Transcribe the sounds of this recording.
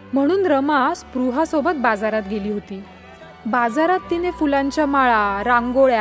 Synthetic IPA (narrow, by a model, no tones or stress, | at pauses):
m̤əɽ̃uːnɾəmaspɾuɦasobət̪̚bad͡zaɾat̪ɡeliːɦot̪iː | bad͡zaɾat̪ːinefulãɲt͡ɕjamaɭaɾaŋɡoɭja